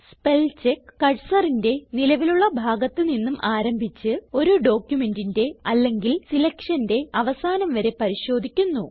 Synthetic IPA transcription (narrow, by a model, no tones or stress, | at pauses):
spe̞lt͡ɕekːɐɻsɐrinde̞nilɐʋiluɭːɐbʱaːɡɐt̪ːɨninːumʔaːɾɐmbʱit͡ɕːɨo̞ɾuɖo̞ːkʲjume̞ndinde̞ɐlːe̞ŋɡilsilɐkʂɐnde̞ɐʋɐsaːnɐmʋɐɾe̞pɐɾiɕo̞ːd̪ʱikʲːunːu